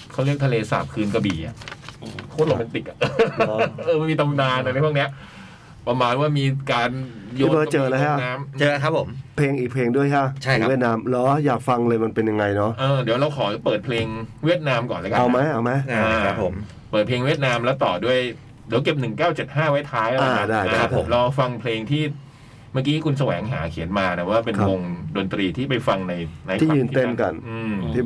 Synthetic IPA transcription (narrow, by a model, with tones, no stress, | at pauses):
kʰa˥˩wɾi˥˩ət̪ʰa˧leː˧sa̰ː˨˩p̚kʰɯː˧nka˧biː˨˩ʔa̰˨˩ʔːkʰoː˥˩lo˧˩ma˧nt̪i˨˩k̚ʔa˨˩ʔʔɤː˧ma˥˩jmiː˧t̪ʰa˧mdaː˧nʔa˧ɾa˧˥jʰpʰni˦˥ɐʔ | pa˧maː˧nwaː˥˩miː˧kaː˧njoː˥˧˦t͡ɕɤː˧laː˦˥˦kʰa˥˩naː˦˥mt͡ɕɤː˧˦kʰpʰo˨˩˦mpʰleː˧ŋʔiː˨˩k̚pʰleː˧ŋdu˥˩əjkʰa˦˥˩t͡ɕʰa˥˩˨wi˥˩t̪̚naː˦˥mlɔː˦˥jaː˨˩k̚fa˧ŋlɤː˧jma˧npe˧nja˧ŋa˧jnɔ˦˥ʔɤː˧di˩˦wɾa˧wkʰɔː˩˦pɤː˨˩t̪̚pʰleː˧ŋwi˥˩ət̪̚naː˦˥mkɔː˨˩nla˦˥ka˧a˧wma˦˥jʔa˧wma˦˥jaː˧a˦˥pʰo˩˦m | pəɤː˨˩t̪̚pʰleː˧ŋwi˥˩ət̪̚naː˧˥mlɛ˦˥wt̪ɔː˨˩du˥˩əj | diː˩˦wke˨˩p̚nɯ˨˩ŋkaː˥˩wt͡ɕe˨˩t̪̚haː˥˩wa˦˥jt̪ʰaː˦˥jlaː˧˩˧a˦˥daː˥˩ja˥˨˧a˦˥pʰːo˨˩˦mlɔ˧fa˧ŋpʰleː˧ŋt̪ʰiː˥˩ | maː˥˩kiː˦˥kʰu˧ns̬a˧wɛː˩˦ŋɦa̰ː˩˦kʰi˨˩˦ənmaː˧na˧˩waː˥˩pe˧a˦o˧ŋdo˧nt̪ɾiː˧t̪ʰiː˥˩pa˧jfa˧ŋna˧jna˧j̪ʰiː˥˩jɯː˧nt̪e˥˩nka˧˩nʔɯː˧t̪ʰiː˥˩